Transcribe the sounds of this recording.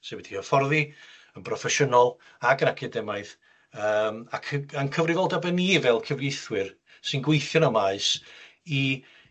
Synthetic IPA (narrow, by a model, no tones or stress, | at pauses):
sewɛd̥ʰiəfɔrðiənpʰrɔfɛʃənɔlˠ | aɡənakʰɪdɛmaɨð | əːmakʰankʰəvrɪvɔlˠdabɛnivɛlˠkʰəvlejθwɪr | sɨnɡweɨθjɔnɔmaɨsi